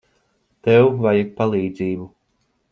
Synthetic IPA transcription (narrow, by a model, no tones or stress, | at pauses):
t̪ɛwvajak̚palˠiːd̪ziːbu